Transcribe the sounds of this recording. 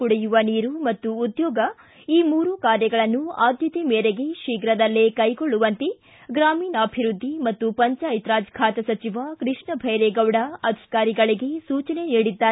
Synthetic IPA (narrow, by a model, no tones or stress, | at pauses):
uɽejuʋɐniːɾumɐt̪ːuːd̪jɔːɡɐ | iːmuːɾukaːɾjɐɡɐɭɐnːuaːd̪ʱjɐt̪imeːɾe̞ɡe̞ʃiːɡɾɐd̪ɐlːekɐjɡɔɭːuʋɐnt̪e | ɡɾaːmiːnɐːbʱiɾud̪ʱːimɐt̪ːupɐɲt͡ʃaːjit̪ɾaːd͡ʒkʰaːt̪ɐsɐt͡ʃiʋakɾɨʂɳɐbʱɐjɾeɡɐwɽɐɐd̪ʱi̥kaːɾiɡɐɭiɡe̞suːt͡ʃɐne̞niːɽid̪ːaː